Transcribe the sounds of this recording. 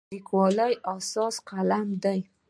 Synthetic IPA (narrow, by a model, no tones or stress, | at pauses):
ikwɑləjasɑsqalamd̪aj